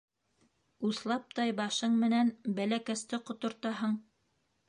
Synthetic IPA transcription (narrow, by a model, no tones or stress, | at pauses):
uθlˠɑp̚t̪ɑjbɑʃɤɴmɘ̆nænbælækæst̪ɘqŏt̪ŏɾt̪ɑɦɤɴ